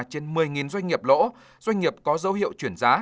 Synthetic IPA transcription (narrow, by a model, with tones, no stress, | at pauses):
t͡ɕe˧nmɨ˨˩əjŋi˨˩nzwa˧jŋ̟ŋi˨˩əp̚lo̰˧˥ | zwa˧jŋ̟ŋi˨˩əp̚kɔ˨˦zə˨˦wɦḭ˧˨əwt͡ɕwi˧˩ənzaː˨˦